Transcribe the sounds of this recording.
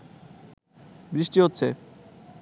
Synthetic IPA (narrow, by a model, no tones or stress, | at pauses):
bɾiʃʈiɦotːɕʰe